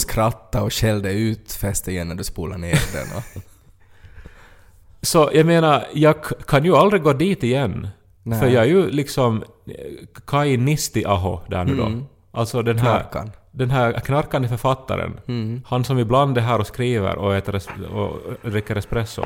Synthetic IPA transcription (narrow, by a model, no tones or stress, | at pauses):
skɾat̪ːaɔɕɛld̪ɛʉːt̪fɛst̪ɪjɛnːæd̪ʉspuːlaɳeːɾd̪ɛ̰nɔ̰ | sɔjʔɑɡmeːnaɾjɑːɡkʰanjɵald̪ɾɪɡoːd̪iːt̪ɪjɛnː | fœɾjɑæɾjɵlɪksɔm | kʰajnɪst̪ɪʔɑɦɔd̪æ̰ːɾɳʉːd̪ɔ̰ | ʔalt̪sɔd̪ɛnɦæːɾd̪ɛnɦæːɾkʰnaɾkand̪əfœɾfat̪ːa̰ɾə̰nhansɔmɪbland̪ɛɦæːɾɔskɾiːvə̰ɾʔɔɛːt̪əɾɛsɔ̰d̪ɾɪkːəɾɛspɾɛsːɔ̰